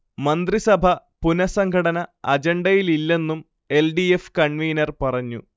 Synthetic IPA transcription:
mɐnd̪risɐbʱɐ | punɐsɐŋɡʰʱɐɽɐnɐɐd͡ʑeɳɖɐjililːe̞nːum | e̞lɖiefkɐɳʋiːnɐrpɐrɐɲːṵ

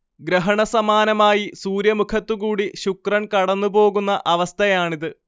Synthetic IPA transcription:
ɡɾɐɦɐɳɐsɐmaːnɐmaːjisuːɾjɐmukʰɐt̪ːuɣuːɽiɕukrɐnkɐɽɐnːubo̞ːɣunːɐʔɐʋɐst̪ʰɐjaːɳiðɨ

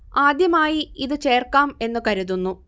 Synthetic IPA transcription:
aːd̪jɐmaːjiiðɨt͡ɕe̞ːrkaːme̞nːukɐɾuðunːu

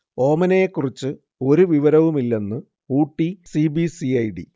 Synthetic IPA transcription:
o̞ːmɐnejekːurit͡ɕːɨ | o̞ɾuʋiʋɐɾɐʋumilːe̞nːɨ | uːʈːisibisiɐjɖḭ

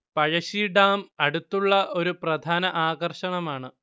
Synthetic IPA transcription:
pɐɻɐɕiɖaːmɐɽut̪ːuɭːɐʔo̞ɾuprɐd̪ʱaːnɐʔaːɣɐrʂɐɳɐmaːɳɨ

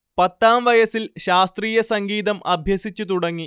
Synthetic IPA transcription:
pɐt̪ːaːmʋɐjɐsilɕaːst̪riːjɐsɐŋɡiːðɐmʔɐbʱjɐsit͡ɕːut̪uɽɐŋːi

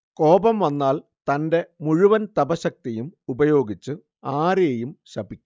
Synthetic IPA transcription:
ko̞ːbɐmʋɐnːaːl | t̪ɐnde̞muɻuʋɐnt̪ɐbɐɕɐk̚t̪ijumubɐjo̞ːɡit͡ɕːɨ | aːɾejumɕɐbikʲː

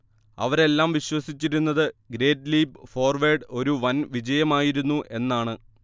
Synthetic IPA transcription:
ɐ̰ʋɐɾe̞lːaːmʋiɕwɐsit͡ɕːiɾunːɐðɨɡɾe̞ːɖliːbfo̞ːrʋeːɖo̞ɾuʋɐnʋid͡ʑɐjɐmaːjiɾunːuʔe̞nːaːɳɨ

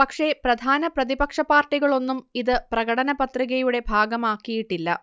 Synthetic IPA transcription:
pɐkʂe̞prɐd̪ʱaːnɐprɐðibɐkʂɐpaːrʈːiɣɐɭo̞nːumiðɨprɐɣɐɽɐnɐpɐt̪riɣɐjuɽe̞bʱaːɡɐmaːkːijiʈːilːɐ̰

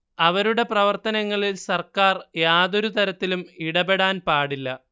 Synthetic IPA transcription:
ɐʋɐɾuɽe̞prɐʋɐrt̪ɐnɐŋːɐɭilsɐrkaːrjaːðo̞ɾut̪ɐɾɐt̪ːilumiɽɐbe̞ɽaːnpaːɽilːɐ

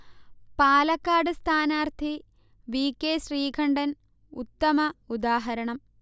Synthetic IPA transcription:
paːlɐkːaːɽɨst̪ʰaːnaːrt̪ʰi | ʋiːkːeːɕriːkʰɐɳɖɐn | ut̪ːɐmɐud̪aːɦɐɾɐɳɐm

